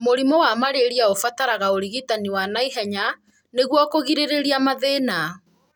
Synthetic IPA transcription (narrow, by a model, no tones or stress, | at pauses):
moɾimɔwamaɾeɾiaofataɾaɣaoɾiɣitaniwanaiɦɛɲa | neɣwakoɣiɾeɾeɾiamaðena